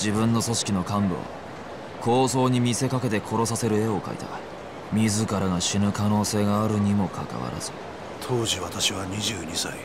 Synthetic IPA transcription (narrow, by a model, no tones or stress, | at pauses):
d͡ʑibɯ̟̃nːo̞so̞ɕi̥kʲino̞kãmbo̰ːa̰ | kʰo̞ːso̞ːɲ̟imʲise̞kake̞t̪e̞kʰo̞ɾo̞sase̞ɾɯ̟e̞o̞ka̰ḭt̪a̰ | mʲizɨkaɾaɡaɕinɯ̟kano̞ːse̞ːɡaːɾɯ̟ɲ̟imo̞kʰa̰ka̰βa̰ɾa̰z̥ɨ̰ | t̪ʰo̞ːʑiβat̪aɕiβaɲ̟iʑɨːɲisai